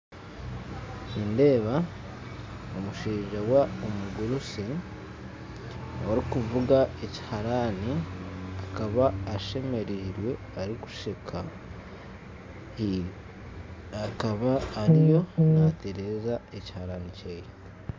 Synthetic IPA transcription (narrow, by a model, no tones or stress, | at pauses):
ninde̞ːβa | omuʃiːʒawaomuɡuɾusi | aɾikuvuɡaeci̥haɾaniakaβaːʃe̞me̞ɾiɾwe̞ | aɾiku̥ʃikʰa | akaβaːɾijo̞nate̞ɾe̞zaeci̥haɾaniceiɾi